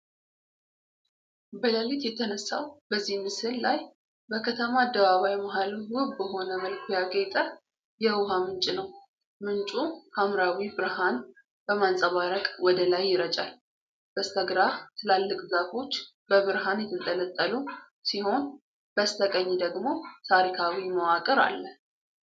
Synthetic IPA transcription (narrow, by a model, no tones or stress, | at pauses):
bələlit̪jɛt̪ʰənəsːa̰wbəzːihmɨsɨlːaj | bəkʰət̪ʰəmaːd̪ːəβaβajmaɦaluwʊbbəɦo̞nəməlkʰujaɡet̪ʼə | jɛwʊɦamɨnt͡ʃʼinəw | mɨnt͡ʃʼuhʰamɾawibɨɾhan | b̥əmansʼəβaɾəkʼwɔd̪əlajːɪɾət͡ʃʼa̰l | b̥əst̪ʰəɡɾat̪ʰɨlalːɨkʼzafo̞t͡ʃː | b̥əβɨɾɦanjɛt̪ʰɨnt̪ʼələt̪ʼːəlu | siho̞n | b̥əst̪ʰəkʼəɲːd̪əɡmo̞t̪ʰaɾikʰawiməwakʼɨɾa̰lːə